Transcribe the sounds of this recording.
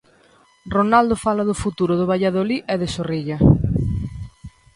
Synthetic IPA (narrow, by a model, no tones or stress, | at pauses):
ronald̪ofalaðʊfut̪uɾʊðʊβ̞aʎaðoliʔɛðɪsoriʎɐ